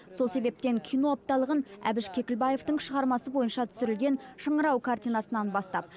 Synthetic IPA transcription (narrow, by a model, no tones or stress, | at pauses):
so̞lˠse̞be̞p̚t̪e̞ŋkʲʰijno̞ap̚t̪ɑlˠəʁənæ̰bɪʃkʲʰe̞kʲɪlbɑje̞ft̪əɴʃəʁɑɾmɑsəbo̞jənʃɑt̪ʰʏ̥sɪɾɪlɡʲe̞nʃəɴəɾɑwkʰart̪ijnɑsənɑnbɑst̪ɑp̚